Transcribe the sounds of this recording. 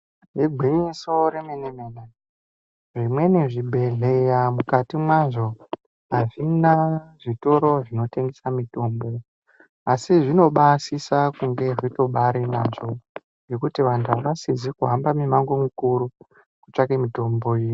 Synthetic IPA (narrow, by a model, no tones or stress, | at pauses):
jeɡʱiɲiso̞ɾemenemene | ʐimwe̞niʐibʱe̞ɮejamukatimwaʐo̞ | ɦaʐinaʐito̞ɾo̞ʐino̞te̞ŋɡesamito̞mbo̞ | asiʐino̞ɓasisakuŋɡe̞ʐito̞ɓaɾenaʐo̞ | ŋɡe̞kutiʋantʰuaʋasizikuɦambamimaŋɡomikuɾu | kut͡ʃakemitombo̞jii